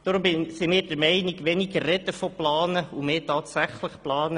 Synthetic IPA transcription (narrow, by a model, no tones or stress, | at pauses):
d̥ɔɾʊmsimɪːɾd̥əɾmɛɪnɪɡʋɛniɡərɛt̪əfoplɑːnəumeːtɑːtsæχləχplɑːnə